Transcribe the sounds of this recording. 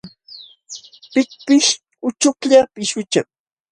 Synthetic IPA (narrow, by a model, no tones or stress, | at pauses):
pɪk̚pɪʃ | ʊt͡ʃʊkʎapɪʃʊt͡ʃaŋ̚